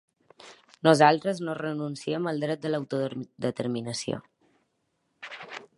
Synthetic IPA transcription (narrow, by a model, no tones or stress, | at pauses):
nuzalˠt̪ɾəznorənunsiəməlˠd̪ɾɛt̪̚d̪ələwt̪ud̪ət̪əɾminəsio̰